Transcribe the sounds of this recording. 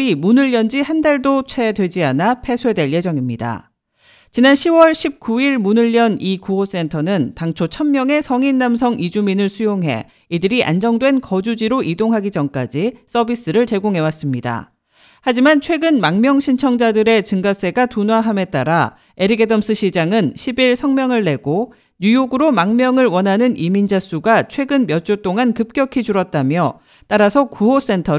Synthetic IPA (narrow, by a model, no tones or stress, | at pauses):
imunɯʎːʌnd͡ʑihandaɭdot͡ɕʰwe̞dwe̞d͡ʑianapʰe̞sʰwedwe̞ɭje̞d͡ʑʌŋimɲida̰ | t͡ɕinanɕʰiwʌɭɕʰip̚k͈uiɭmunɯʎːʌnikuos͈e̞ntʰʌnɯntaŋt͡ɕʰot͡ɕʰʌmmjʌŋe̞sʰʌŋinːams̬ʰʌŋʔid͡ʑuminɯɭsʰujoŋɦe̞̰ | idɯɾiʔa̰nd͡ʑʌŋdwe̞nkʌd͡ʑud͡ʑiɾoʔidoŋɦaɡid͡ʑʌmk͈a̰d͡ʑis͈ʌbis͈ɯɾɯɭt͡ɕe̞ɡoŋɦe̞was͈ɯmɲida̰ | had͡ʑimant͡ɕʰwe̞ɡɯnmaŋmjʌŋɕʰint͡ɕʰʌŋd͡ʑadɯɾe̞t͡ɕɯŋɡas͈e̞ɡatunwaɦame̞t͈aɾa | e̞ɾiɡedʌms͈ʰɯɕʰid͡ʑaŋɯnɕʰibiɭsʰʌŋmjʌŋɯɭːe̞ɡo | ɲujoɡɯɾomaŋmjʌŋɯɭwʌnɦanɯnimind͡ʑas͈uɡat͡ɕʰwe̞ɡɯnmjʌt͡ɕ͈ot͈oŋankɯp̚k͈jʌkʰid͡ʑuɾʌt̚t͈amjʌ | t͈aɾasʰʌkuɦos͈e̞ntʰʌ